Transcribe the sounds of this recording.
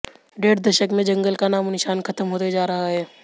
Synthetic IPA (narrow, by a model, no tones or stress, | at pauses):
ɖeːɽd̪əʃəkmẽd͡ʒɐ̃ŋɡəlkanaːmnɪʃaːnkʰɐt̪əmɦoːt̪ed͡ʒaːɾɐɦaɦɛː